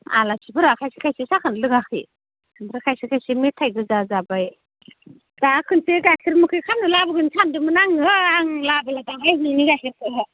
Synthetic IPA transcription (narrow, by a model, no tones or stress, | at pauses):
a̰lasʰibɯɾakʰajsi̥kʰajsesakʰɯnlɯɡakʰɯ̰ | bɯɾakʰajsikʰajsemetʰajɡɯzazabaj | dakʰɯnseɡakʰiɾmɯkʰɯjkʰam̚nɯlabɯɡɯnsʰandɯmɯnaŋɯaŋlabɯladaɦajɦɯniɡakʰiɾkʰɯɦa